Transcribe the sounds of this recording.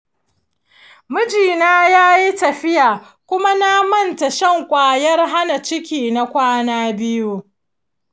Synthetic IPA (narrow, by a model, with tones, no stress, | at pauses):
mʊ˦d͡ʒiː˨naː˦jaː˦ji˦tɐ˨ɸɪ˦jaː˨ | kʷʊ˦ma˦na˦mɐ˦˨nta˨ʃɐ˦˨ŋkʷʼaː˨jɐ˦rɦa˦na˨t͡ʃɪ˦kʲiː˨na˦kʷaː˦naː˦bɪ˦ju˦